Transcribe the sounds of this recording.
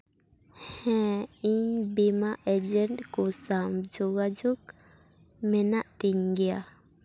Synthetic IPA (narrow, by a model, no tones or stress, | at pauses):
hɛ̃iɲbimaʔɛd͡ʒɛɳʈkɔsamd͡ʒɔɡad͡ʒuk | mɛnaʔt̪iŋɡɛja